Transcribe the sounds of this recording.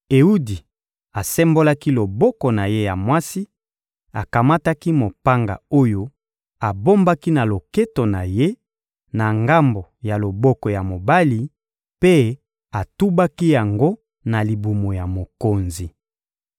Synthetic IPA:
e˨u˦di˨ | a˨sɛ˦mbo˦la˦ki˦lo˨bɔ˦kɔ˨na˨je˦ja˨mwa˦si˦ | a˨ka˨ma˦ta˦ki˦mo˨pa˦ŋɡa̰˨o˦jo˦ | a˨bo˦mba˦ki˦na˨lo˨ke˦to˨na˨je˦ | na˨ŋɡa˦mbo˨ja˨lo˨bɔ˦kɔ˨ja˨mo˨ba˦li˨ | pe˦ | a˨tu˦ba˦ki˦ja˨ŋɡo˦ | na˨li˨bu˨mo˨ja˨mo˨ko˨nzi˨

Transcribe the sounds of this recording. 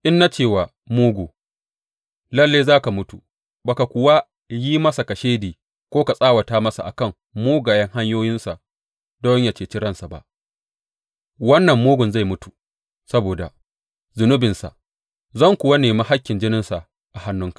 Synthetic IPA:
ʔɪ˦nːa˦t͡ʃeː˦˨waː˨ | moː˦ɡʷoː˨ | lɐ˦lːeː˦zaː˦ka˨mʊ˦tu˨ | ba˨ka˨kʷʊ˨wa˦ | ji˦mɐ˦sa˨ka˨ʃeː˦diː˨ | kʷoː˦ka˨sʼaː˦wɐ˨taː˦mɐ˦sa̰˨ʔa̰˨kɐ˦˨ŋ | moː˦ɡaː˨jɐ˦ŋɦa˦ɲjoː˦jɪ˦nsa˨ʔ | dɔ˦ɲja˨t͡ʃeː˨t͡ʃɪ˦ɾɐ˦˨nsa˨ba̰˨ʔ | wɐ˦nːɐ˨mːoː˦ɡʊ˨nza˦˨jmʊ˦tu̥˨ | sɐ˦boː˨da̰˨ | zʊ˨nʊ˦bɪ˨nsa̰˨ʔ | zɐ˦˨ŋkʷʊ˨wa˦neː˨maː˦ɦa˦kʲːɪ˨nd͡ʒɪ˦nɪ˦nsa˨ʔ | ʔa˨ha˦nːʊ˦ŋkḁ˨ʔ

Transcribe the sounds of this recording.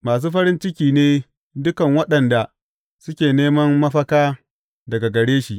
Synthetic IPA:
maː˨s̬uː˦ɸɐ˦ɾɪ˦nt͡ʃɪ˦kʲiː˨neː˦ | dʊ˦kɐ˨ŋwɐ˦ɗɐ˨nda˨ | sʊ˦kʲeː˨neː˦mɐ˦mːɐ˦ɸɐ˦kaː˦ | dɐ˨ɡa˨ɡɐ˨ɽeː˦ʃi˨ʔ

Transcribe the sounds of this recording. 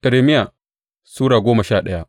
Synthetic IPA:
ʔɐ˨ɾeː˨mɪ˦ja˨ | suː˦ɽaː˨ɡʷoː˦mɐ˨ʃaː˦˨ɗɐ˦ja˦ʔ

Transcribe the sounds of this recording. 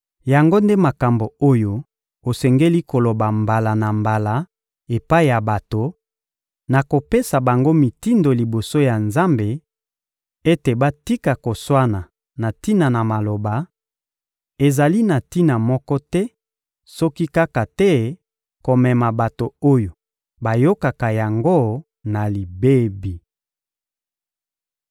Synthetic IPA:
ja˨ŋɡo˦nde˦ma˨ka˨mbo˨o˦jo˨ | o˨sɛ˨ŋɡe˦li˦ko˨lo˨ba˨mba˨la˨na˨mba˨la˨˦ | e˨pa˦i˨ja˨ba˨to˨ | na˨ko˨pe˦sa˨ba˨ŋɡo˦mi˨ti˦ndo˨li˨bo˨so˦ja˨nza˦mbe˨ | e˦te˨ba˦ti˦ka˨ko˨swa˦na˨ | na˨ti˦na˨na˨ma˨lo˨ba˨ | e˨za˨li˦na˨ti˦na˨mɔ˦kɔ˦tɛ˦ | sɔ˦ki˦ka˦ka˨tɛ˦ | ko˨mɛ˨ma˨ba˨to˨o˦jo˨ | ba˨jo˦ka˨ka˨ja˨ŋɡo˦ | na˨li˨be˦bi˨

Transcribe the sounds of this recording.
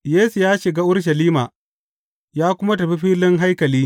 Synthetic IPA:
jeː˦su˨jaː˦ʃɪ˨ɡaː˦ʔʊ˦ɽʃ̬ɐ˨liː˦maː˨ | jaː˦kʷʊ˦ma˦tɐ˨ɸi˦ɸiː˦lɪ˦ŋɦa˦jkɐ˨liː˦

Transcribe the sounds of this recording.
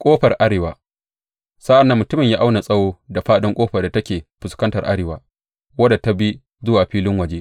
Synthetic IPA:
kʷʼoː˦ɸɐ˨rʔa˦ɽeː˨wa̰ː˨ | sa˦ʔa˨nːɐ˨˦mʊ˨tʊ˦mɪ˨ɲjaː˦ʔa˦wna˨sʼɐ˦woː˦da˨ɸaː˦ɗɪ˦ŋkʷʼoː˦ɸɐ˨da˨tɐ˦kʲeː˨ɸʊ˨skɐ˦ntɐ˨rʔa̰˦ɽeː˨waː˦ | wɐ˦da˨ta˦bi˦ | zʊ˦waː˨ɸiː˦lɪ˦ŋwɐ˨d͡ʒeː˦ʔ

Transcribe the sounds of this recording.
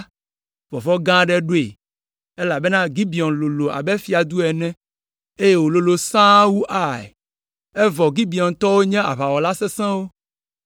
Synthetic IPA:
vɔ˨vɔ˦ɡã˦ɖɛ˦ɖo˦ḛ˨ | e˦la˨be˦nã˦ɡi˦bi˨ɔ˨nlo˨lo˨a̰˨bɛ˦fi˨a˨d̪u˦ɛ˨nɛ̃˦ | e˦je˦wo˨lo˨lo˨sã˦wu˦ʔa˨ɛ̰˨ | ɛ˦vɔ˨ɡi˦bi˨ɔ˨nt̪ɔ˦wo˦ɲɛ̃˦a̰˨βa˨wɔ˨la˦sɛ˦sɛ̃˦wo˦

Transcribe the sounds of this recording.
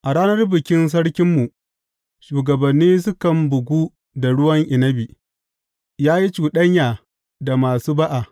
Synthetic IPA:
ʔa˨ɽaː˦nɐ˦rbɪ˨kʲɪ˦ns̬ɐ˦ɽkʲɪ˦mːu˨ | ʃuː˨ɡɐ˨bɐ˨nːiː˦s̬ʊ˦kɐ˨mbʊ˨ɡʷuː˦ | da˨ɽʊ˦wɐ˦ŋʔɪ˨nɐ˦bi˨ | jaː˦ji˦t͡ʃuː˨ɗɐ˦ɲjaː˨ | da˨maː˨suː˦ba˦ʔa˨

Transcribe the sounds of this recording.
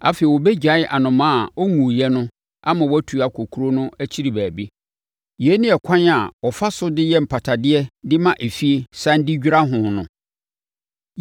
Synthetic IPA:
a˨fe˨wɔ˨bɛ˦d͡ʑᶣa˨˦ʔa˨nʊ̃˨mã˦a˨ɔ˦ŋũ˨jɛ˦nʊ̃˦ | a˦mã˨wæ˦tʰu˨a˨kʷʰo˨kʰu˦ɾo˦nʊ̃˦æ˦t͡ɕʰi˦ɾi˨bæː˨bi˦ | ji˨ɛ˦nɪ̃˦ɛ˨kʷʰã˦na˨wɔ˨fa˦sʊ˦dɪ˦jɛ˦m̩˨pʰa˨tʰa˨dɪ˦ɛ˦dɪ˦mã˦ʔe˨fi˦e˨sã˦n˦dɪ˦d͡ʑᶣi˦ɾa˦ɦʊ̃˨nʊ̃˨

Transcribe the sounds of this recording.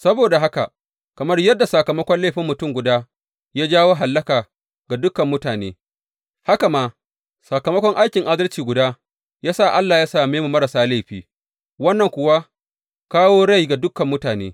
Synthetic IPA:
sɐ˦boː˨da˨ɦa˦ka̰˨ | kɐ˨mɐ˦rjɐ˦dːa˨sɐ˨kɐ˨mɐ˦kʷɔ˦nla˦˨ɸɪ˦mːʊ˨tʊ˦mɡʷʊ˨daː˦ | jaː˦d͡ʒaː˦woː˦ɦa˨lːɐ˦kaː˨ | ɡa˨dʊ˦kɐ˨mːʊ˦taː˨nḛː˦ | ha˦ka˨ma˦ | sɐ˨kɐ˨mɐ˦kʷɔ˦ŋʔa˦jkʲɪ˨ŋʔa˦dɐ˦lt͡ʃiː˨ɡʷʊ˨daː˦ | jaː˦sa˦˨ʔa˦lːaː˨jaː˦saː˦˨meː˦mu˨mɐ˦ɾɐ˨saː˦la˦˨ɸiː˦ | wɐ˦nːɐ˨ŋkʷʊ˦wa˦ | kaː˦woː˦ɽa˦˨jɡa˨dʊ˦kɐ˨mːʊ˦taː˨nḛː˦

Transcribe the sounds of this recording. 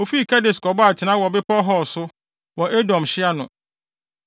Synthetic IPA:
o˨fi˦˨kʰa˦de˨skɔ˨bɔ˦a˨t͡ɕʰɪ˨˦nã˦wɔ˨bɪ˦pʰɔ˦ɦɔ˦˨sʊ˦ | wɔ˨ʔe˦dɔ̃˨mɕɪ˦a˦nʊ̃˨

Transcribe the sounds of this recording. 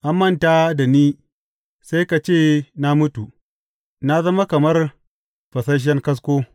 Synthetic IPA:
ʔa˦mːɐ˦˨nta˦da˨niː˦ | sa˦jka˨t͡ʃeː˦˨na˦mʊ˦tu˨ | na˦zɐ˦ma˦kɐ˨mɐ˦r | ɸɐ˨sɐ˦ʃ̬ɛ˦ŋkɐ˦s̬kʷoː˦

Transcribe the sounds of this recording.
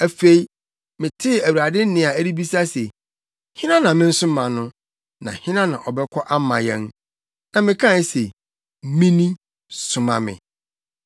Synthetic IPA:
æ˨fe˦i˦ | mɪ̃˨tʰɪ˦˨æ˨wa˨dɪ˦n˦nɪ̃˦a˨æ˦ɾi˦bi˦sa˦se˨ | hɪ̃˦nã˦nã˨mɪ̃˦n̩˦sʊ̃˦mã˨nʊ̃˦ | nã̰˨hɪ̃˦nã˦nã̰˨ʔɔ˨bɛ˦kʰɔ˦ʔa˦mã̰˨jɛ̃˦n | nã˨mɪ̃˨kʰã˦˨˦se˨ | mĩ˦nĩ˦ | sʊ˨mã̰˨mɪ̰̃˨

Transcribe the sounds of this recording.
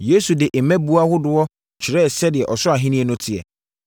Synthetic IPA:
je˦su˨dɪ˨ʔe˨mɛ̃˦bu˦a˦hʊ˦dʊ˨ɔ˦ | t͡ɕʰɪ˨ɾɛ˦˨sɛ˦dɪ˨ɛ˨ʔɔ˨sʊ˦a˨ɦɪ̃˦nĩ˦ɛ˦nʊ̃˦tʰɪ˨ɛ̰˨

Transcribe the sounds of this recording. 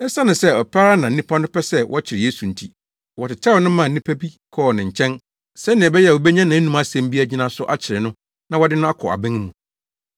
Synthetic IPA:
ɛ˦sa˦nʊ̃˨sɛ˦ɔ˨pʰa˦ɾa˦nã˨n̩˦ĩ˦pʰa˦nʊ̃˦pʰɛ˦sɛ˦wʔɔ˦t͡ɕʰɪ˨ɾɪ˨je˦su˨n̩˨tʰi˦ | wɔ˨tɪ˨tʰɛ˦wɔ˨˦nʊ̃˦mã˨˦nĩ˦pʰæ˦bi˦kʰɔ˦˨nɪ̃˨ɲ̩˨t͡ɕʰɛ̃˦n | sɛ˦nɪ̃˨ɛ˨bɛ˦jɛ˦˨wɔ˨bɛ˦ɲã˦nã˨˦nũ˨ma˦sɛ̃˨m˦bi˦a˦d͡ʑɪ˦nã˦sʊ˦ʔa˦t͡ɕʰɪ˨ɾɪ˨nʊ̃˦ | nã˨wɔ˦dɪ˦nʊ̃˦a˦kʰɔ˨a̰˨bɪ̃˦ŋ˦mũ˨

